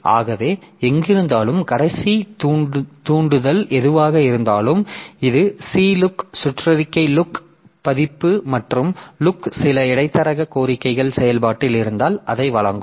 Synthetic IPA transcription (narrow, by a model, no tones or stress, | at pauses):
ʔa̰ːɣɐʋeːɛŋɡɪɾɯnd̪aːlɯmkɐɽɐɪsi | t̪uːɳɖɯðɐlʔɛðɯʋaːɣɐɪɾɯnd̪aːlɯmɪðɯsiːlʊksʊʈrɐðɪkːɐɪlʊk | pɐðɪpːɯmɐʈrɯmlʊksɪlɐɪɽɐɪt̪ːɐɾɐɣɐkoːɾɪkːɐɪɣɐɭsɛjɐlpaːʈːɪlɪɾɯnd̪aːlʔɐðɐɪʋɐɭɐ̰ŋɡɯ